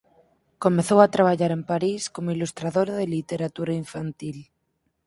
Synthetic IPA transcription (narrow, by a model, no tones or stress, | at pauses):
komeθowat̪ɾaβ̞aʎaɾempaɾiskomoilust̪ɾaðoɾaðelit̪eɾat̪uɾaiɱfant̪il